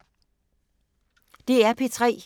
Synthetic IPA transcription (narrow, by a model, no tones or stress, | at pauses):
d̥e̝æɐpʰe̝t͡sʰʁɛ̰ː